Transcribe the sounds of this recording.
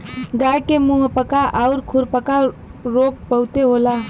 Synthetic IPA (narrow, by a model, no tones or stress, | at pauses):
ɡaːjkemũɦəpəkaʔaʊɾkʰʊɾpəka | ɾoːk̚pəʊt̪eɦoːlaː